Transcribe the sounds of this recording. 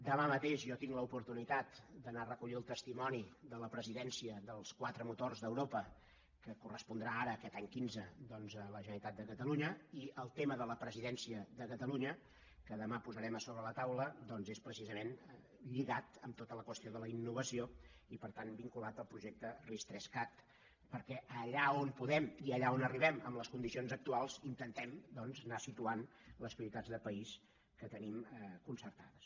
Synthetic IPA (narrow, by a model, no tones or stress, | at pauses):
d̪əmamət̪eʃʒɔt̪iŋɡləupuɾt̪unit̪at̪d̪ənarəkuʎiəlˠt̪əst̪imɔnid̪ələpɾəziðɛnsiəðəlˠskwat̪ɾəmut̪orzðəwɾopə | kəkurəspund̪ɾaaɾəːkɛt̪aɲkinzəd̪ɔnzələʒənəɾit̪at̪̚d̪əkət̪əluɲəiʔəlˠt̪eməðələpɾəziðɛnsiəðəkət̪əluɲə | kəðəmapuzəɾɛməsoβɾələt̪awləd̪ɔnzespɾəsizəmen | ʎiɣat̪əmt̪ot̪ələkwəst̪ioðələinːuβəsioipəɾt̪anbiŋkulat̪əlˠpɾuʒek̚t̪ərist̪ɾɛskat̪ | pəɾkɛʔəʎaompuðɛmiəʎaonəriβ̞ɛməmləskund̪isionzək̚t̪ualˠzint̪ənt̪ɛmd̪ɔnznasit̪uan | ləspɾiit̪ad͡zðəpəis | kət̪ənimkunsəɾt̪aðəs